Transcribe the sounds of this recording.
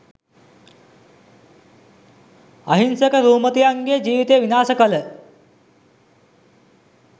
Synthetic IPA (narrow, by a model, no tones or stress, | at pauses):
ɐɦinsɐkəɾuːmɐt̪ijaŋɡeːd͡ʒiːʋit̪eːʋinaːsɐkɐlə